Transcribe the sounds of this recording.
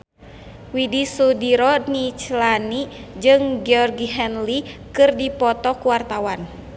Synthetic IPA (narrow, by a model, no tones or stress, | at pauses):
widisudiɾɔnit͡ʃlanid͡ʒɨŋɡɛɔrɡiɦɛnlikɨrdipɔt̪ɔkuwart̪awan